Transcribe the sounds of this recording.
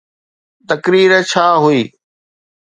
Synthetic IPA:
t̪ɐkɾiːɾt͡ɕʰaːɦuiː

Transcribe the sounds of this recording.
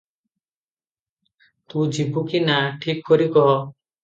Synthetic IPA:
t̪ũd͡ʒibukinaʈʰikːɔɾikɔ

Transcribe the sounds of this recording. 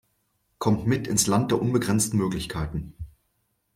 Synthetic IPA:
kʰɔmtmɪtʰɪnslant̚d̥eːɐʔʊnbəɡʁɛnt͡stn̩møːklɪçkʰaɪtn̩

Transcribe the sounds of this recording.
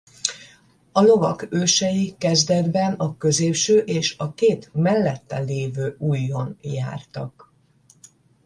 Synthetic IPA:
ɒlo̞vɒkøːʃɛjikɛzd̪ɛd̪bɛnɒkø̞zeːpʃøːʔeːʃɒkeːt̪mɛlːɛt̪ːɛleːvøːuːjːo̞nja̰ːrt̪ɒ̰k

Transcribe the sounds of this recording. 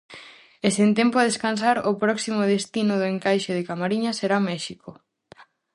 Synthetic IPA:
esent̪ɛmpoað̞eskansaɾopɾɔksimoðest̪inʊðʊeŋkajʃeð̞ekamaɾiɲaseɾamɛʃiko

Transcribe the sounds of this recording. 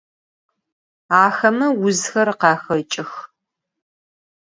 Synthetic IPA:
aːxɐmɐwʊzxɐrqɑːxɐt͡ʃʼɪx

